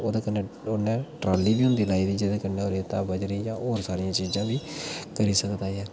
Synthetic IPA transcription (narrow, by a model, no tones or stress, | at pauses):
oːd̪eːkənːeːʊnẽːʈɾaːlːiːbiːʊnd̪iːlaːiːd̪iːd͡ʒed̪eːkənːeːoːɾet̪aːbəd͡ʒɾiːjãːʔoːɾsaːɾɪjãːt͡ʃiːzãːbiːkəɾiːsəkd̪aːɛː